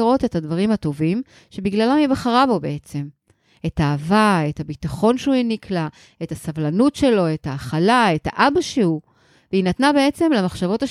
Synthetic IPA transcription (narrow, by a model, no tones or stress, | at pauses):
ʁo̞te̞tadvaʁimhato̞vim | ʃe̞biɡlalamibaχaʁabo̞beet͡se̞m | e̞taːvae̞tabit̪aχo̞nʃuinikla | e̞tasavlanutʃe̞lo̞e̞taːχalae̞ta̰ʔabaʃeu | veinatnabe̞et͡se̞mlamaχʃavo̞ta